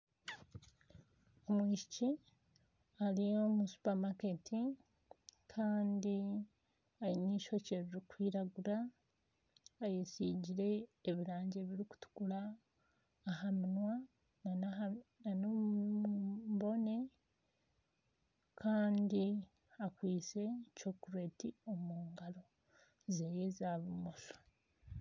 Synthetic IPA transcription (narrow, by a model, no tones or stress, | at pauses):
omwiːʃici | alijo̞musu̥pamaketʰi | kʰaːndi | ajiɲiːʃo̞ceβiɾikwiːɾaɡuɾa | jesiːɟiɾe̞ːβiɾaːɲɟe̞βiɾiku̥tu̥kulaː | ɦaminwa | naanano | mbo̞ne̞ | kʰaːndi | akwiːse̞co̞kuɾwe̞tio̞muːŋɡalo̞ | zeːjezaːβumoʃo̥